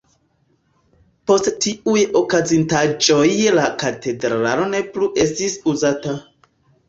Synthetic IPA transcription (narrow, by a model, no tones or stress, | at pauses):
po̞sttiujo̞kazintad͡ʒo̞jlakate̞dɾɾalo̞ne̞pluʔe̞stisuzata